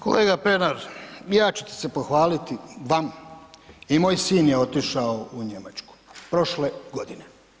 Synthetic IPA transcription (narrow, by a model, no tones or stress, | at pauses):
kʰo̰leːɡapenaɾjaːt͡ɕu̥t̪e̥se̞po̞xʋaːlit̪iʋam | imo̞ːjsiːnjeo̞t̪iʃaouɲe̞mat͡ʃku̥pɾo̞ʃleɡo̞d̪ine